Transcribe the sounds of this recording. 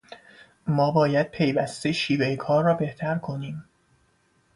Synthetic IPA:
mɒːbɒːjæd̪̥̚pʰe̞jvæst̪eʃiːvejekʰɒːɾːɒːbe̞ht̪ʰæɾkʰo̞niːm

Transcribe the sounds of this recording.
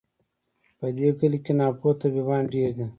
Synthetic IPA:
pəd̪ekəlikenɑːpot̪abibɑːnɖeːɾd̪i

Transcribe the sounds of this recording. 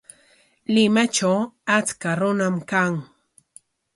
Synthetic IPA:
lɪmat͡ʃawat͡skaɾʊnamkaŋ

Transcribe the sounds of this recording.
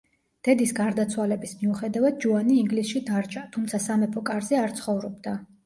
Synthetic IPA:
d̪̥ɛd̪isɡaɾd̪at̪sʰwalɛbismiuχɛd̪avad̪̚d͡ʒuaniːŋɡlisʃid̪aɾt͡ʃʼat̪ʰumt̪sʰasamɛpʰɔkʼaɾzɛaɾt̪sʰχɔvɾɔbd̪a

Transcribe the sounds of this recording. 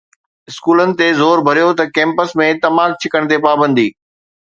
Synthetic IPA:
ɪskuːlənɪ̆t̪ezoːɾbʱɐɾijot̪ɐkɛ̃ːmpəsmẽt̪ɐmaːk̚t͡ɕʰɪkəɽ̃t̪epaːbə̃nd̪iː

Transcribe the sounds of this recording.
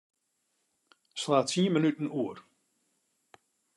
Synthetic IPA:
slaːtiənmənytən̩uər

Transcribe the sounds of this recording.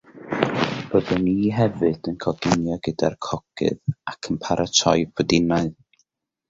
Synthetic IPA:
b̥oðɔniɦɛvɨd̥ənkʰɔɡɪnjɔɡədarkʰɔɡ̥ɨ̰ðakʰənpʰaɾʔatʰɔjbʰɔdɪnaɨð

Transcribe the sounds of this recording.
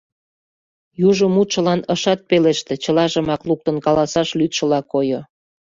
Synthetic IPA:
juʒomut̪ʃə̆lɑnəʃɑt̪̚peleʃt̪et͡ɕəlɑʒə̆mɑkluk̚t̪ənkɑlɑsɑʃlyt̪ʃə̆lɑkojo

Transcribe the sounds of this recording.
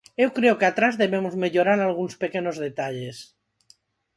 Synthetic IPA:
e̞wkɾeokeat̪ɾazðe̞βemozme̞ʎoɾaɾalɣ̞unspe̞keno̞zð̞e̞t̪aʎes

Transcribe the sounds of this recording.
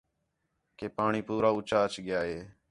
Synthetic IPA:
keːpaːɳiːpuːɾaːʊt͡ʃaːət͡ʃɠɪjaːɦeː

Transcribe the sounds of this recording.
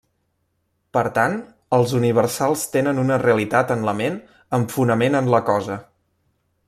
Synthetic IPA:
pəɾt̪an | əlˠzuniβ̞əɾsalˠst̪enənunəreəlit̪at̪ənləmen | əɱfunəmenənləkɔzə

